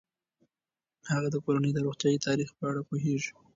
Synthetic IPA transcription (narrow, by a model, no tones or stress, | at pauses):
haɣad̪əkoɾanəjd̪əɾoxt̪jɑjit̪ɑɾixpəaɽapoɦeʒi̥